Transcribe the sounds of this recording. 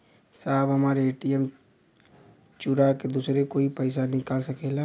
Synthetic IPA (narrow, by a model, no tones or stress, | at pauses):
sabɦəmaɾeʈiem | t͡ʃuɾaked̪usɾekoipəɪsanikalsəkɛl